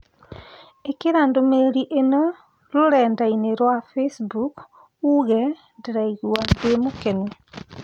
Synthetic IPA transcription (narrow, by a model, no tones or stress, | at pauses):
ekeɾandomeɾiʔeno | ɾoɾɛːndaineɾwafesbuk | uɣɛ | ndɾaiɣuandemukene